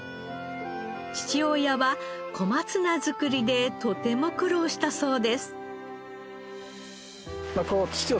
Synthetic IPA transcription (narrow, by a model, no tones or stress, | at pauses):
t͡ɕi̥t͡ɕio̞jaβakʰo̞mat͡sɨnazɨkɯ̟ɾʲid̪e̞t̪o̞t̪e̞mo̞kɯ̟ɾo̞ːɕi̥t̪aso̞ːd̪e̞sɨ̥ | makokʲi̥t͡ɕio